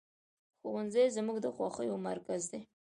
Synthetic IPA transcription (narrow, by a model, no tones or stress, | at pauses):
xowanzəjzmuɡd̪əxwɑxəjomaɾkazd̪e